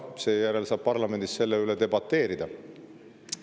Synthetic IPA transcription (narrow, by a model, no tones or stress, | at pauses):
se̞ːjæɾe̞lsɑːb̥̚pɑrlɑme̞nd̪̥isse̞lːeyled̪e̞bɑt̪ːe̞ːɾid̪̥ɑ